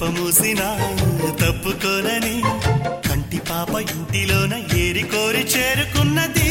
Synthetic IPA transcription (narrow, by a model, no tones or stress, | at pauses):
pɐmuːsinat̪ɐpːukɔːnɐnikɐɳʈipaːpɐiɳʈiloːnɐeːɾikoːɾit͡ʃeːɾukunːɐd̪i